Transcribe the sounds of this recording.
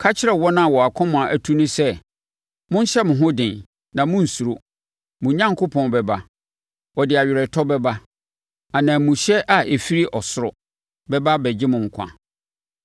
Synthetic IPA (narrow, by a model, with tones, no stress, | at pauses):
kʰa˦t͡ɕʰɪ˦ɾɛ˨wɔ˦nã˦˨wɔ˨a˨kʰɔ̃˦mʊ̃˨a˨ʔæ˨tʰu˦nʊ̃˦sɛ˦ | mʊ̃˦n̩˦ɕɛ˦mʊ̃˨ɦʊ̃˦dɪ̃˨n | nã˨mʊ̃˦n̩˨su˨ɾo˦ | mʊ̃˨ɲã˦ŋkʰʊ˦pʰɔ̃˦nbɛ˨ba˦ | ɔ˨dɪ˨a˨ɥɪ˨ɾɛ˨tʰɔ˦bɛ˦ba˦ | a˨nãː˨mũ˨ɕɛ˦ʔa˨ʔe˨fi˦ɾi˦ʔɔ˨sʊ˦ɾʊ̰˨ | bɛ˦ba˦bɛ˨d͡ʑɪ˦mʊ̃˨ŋ̩˨kʷʰã̰˨